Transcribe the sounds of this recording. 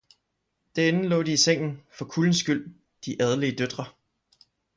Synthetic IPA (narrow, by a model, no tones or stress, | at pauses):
d̥æɐe̝n̩lɔ̰̽ːd̥iiseŋ̰n̩fɒ̽kʰuln̩sɡ̥yl̰ | d̥iʔæð̞ˠliəd̥ød̥ʁɐ